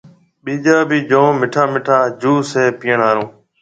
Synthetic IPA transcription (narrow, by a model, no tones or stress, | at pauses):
ɓiːd͡ʒaːbiːd͡ʒõːmɪʈʰaːmɪʈʰaːd͡ʒuːseːpiːəɳaːɾõː